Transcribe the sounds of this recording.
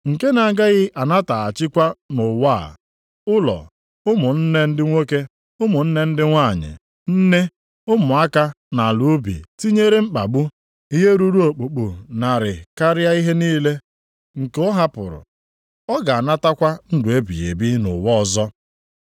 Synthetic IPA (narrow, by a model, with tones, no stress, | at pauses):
ŋ̩˨ke˦na˨ɡa˦ɣɪ˦ʔa˨na˦ta˨a˨t͡ʃɪ˦kʷa˦nʊ˨wa̰˦˨ | ʊ˦lɔ̰˨ | ʊ˦mʊ˨n̩˦ne˦n̩˦dɪ˦ŋʷo˦ke˦ | ʊ˦mʊ˨n̩˦ne˦n̩˦dɪ˦ŋʷa˦˨ɲɪ̰˨ | n̩˦ne˦ | ʊ˦mʊ˨a˦ka˦ | na˨lu˦bḭ˨ti˦ɲe˦ɾe˦m̩˦k͡pa˨ɡ͡bu˦ | i˦ɦe˦ɾu˦ɾu˦o˨k͡pu˨k͡pu˨na˨ɾɪ˨ka˦ɾɪ˦a˦i˦ɦe˦niː˦le˦ | ŋ̩˨kʊ˦ɦa˦pʊ̰˨ɾʊ̰˨ | ɔ˦ɡa˨a˨na˦ta˦kʷa˦n̩˦dʊ˨e˦bḭ˨jḛ˨bi˦nʊ̰˨wɔ˦˨zɔ˦